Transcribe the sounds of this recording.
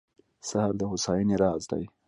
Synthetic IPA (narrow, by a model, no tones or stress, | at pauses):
sahaɾd̪əhʊsɑːjiniɾɑːzd̪a̰j